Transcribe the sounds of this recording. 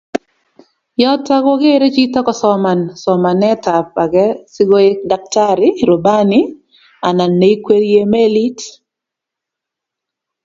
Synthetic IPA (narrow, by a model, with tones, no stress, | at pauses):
jɔ˦tːa˦ɡɔ˦ɡe˦ɾe˦t͡ʃi˦tɔ˦kɔ˦sɔ˨ma˨nsɔ˨ma˨nɛ˦ta˨p̚a˨ɡɛ˦sɪ˦ɡo˦e˦k̚da˨k̚ta˦ɾɪ˦ɾo˨ba˦nɪ˦ | a˨na˨nːe˨˦i˦kwe˦ɾje˦me˦li˦t